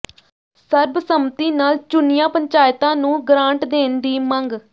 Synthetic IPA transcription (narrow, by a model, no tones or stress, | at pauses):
səɾbsəmt̪iːnaːlt͡ʃʊnɪjãːpəɲt͡ʃaːɪt̪ãːnũːɡɾãːɳʈd̪eːnd̪iːməŋɡ